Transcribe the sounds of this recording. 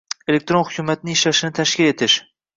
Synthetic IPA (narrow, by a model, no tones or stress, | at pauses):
elek̚ʲt̪ɾonχʊkʲʰumat̪nɪɪʃlaʃɪnɪt̪ʰaʃkʲɪle̞t̪ʰɪʃ